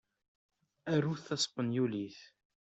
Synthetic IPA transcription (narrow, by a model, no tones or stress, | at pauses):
æruθɑsˤpːənjuliθ